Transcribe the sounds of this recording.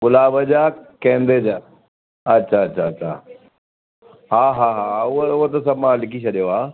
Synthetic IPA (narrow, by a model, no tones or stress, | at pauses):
ɡʊlaːbəd͡ʑaːkẽːnd̪ed͡ʑaː | ɐtːɕʰaɐtːɕʰaɐtːɕʰa̰ | ɦaːɦaːɦaːʊɦeʊɦot̪̬ɐsɐmãlɪkʰit͡ɕʰɐɗijoaː